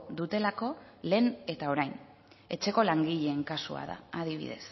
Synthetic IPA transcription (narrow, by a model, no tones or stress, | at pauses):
ðut̪e̞lako̞ | le̞ːne̞t̪ao̞ɾajn | e̞t͡ʃe̞ko̞laŋɡiʎe̞ːŋkasua̰ða̰ːð̞iβḭð̞e̞̰s